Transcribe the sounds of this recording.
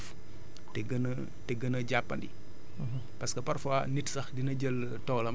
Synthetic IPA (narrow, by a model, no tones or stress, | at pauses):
f | tɛɡɐnɐ | tɛɡənɐɟapːɐ̰ndḭ | pɐskɐpɐɾfanitsɐxdinɐɟəl | tɔːlɐm